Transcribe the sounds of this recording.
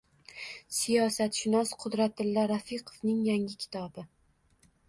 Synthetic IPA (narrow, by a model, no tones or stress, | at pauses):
sijɒsat̪ʃɪnɒsqʰʊd̪ɾat̪̚ɪlːaɾafiqʰovnɪŋjaŋɪkʲʰɪ̥t̪ʰɒbɪ